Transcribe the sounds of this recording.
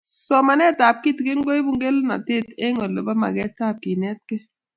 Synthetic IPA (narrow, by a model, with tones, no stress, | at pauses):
sɔ˨ma˨nɛ˦˨ta˨p̚ki˦tke˦nɡo˦i˦bu˦ŋɡe˦lna̰˨te˦˨te˦ŋɔ˨lːo˨ba˦ma̰˨ɡɛ˦ta˦˨p̚ki˨nɛ˦t̚kɛ˦